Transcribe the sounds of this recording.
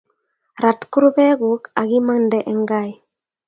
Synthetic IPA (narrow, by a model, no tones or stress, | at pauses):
ɾat̪kuɾbɛɡukaɡimandɛʔɛŋɡaj